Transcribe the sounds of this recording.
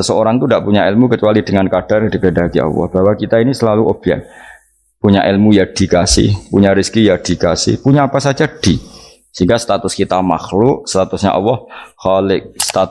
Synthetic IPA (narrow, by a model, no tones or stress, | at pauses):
səsəoɾaŋt̪undaʔpuɲaɪlmukət͡ʃualid̥əŋankad̥ardikədakiɑ̰lːɔ̰hb̥awakit̪ainisəlaluʔob̥a̰n | puɲaʔɪlmujad̥i̤kasɪ̰hpuɲaɾiskijad̥i̤kasɪ̰hpuɲaːpasḁd͡ʒad̥i̤ | siŋɡast̪at̪ʊskit̪ama̰xlʊʔst̪at̪ʊsɲa̰ʔɔ̰wɔhxalɪk̚st̪at̪